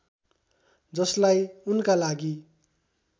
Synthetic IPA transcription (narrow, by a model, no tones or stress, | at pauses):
d͡zʌslajunkalaɡi